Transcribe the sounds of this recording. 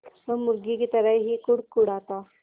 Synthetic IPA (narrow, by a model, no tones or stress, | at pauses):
məmuɾɡikit̪əɾajɦikuɽkuɽat̪a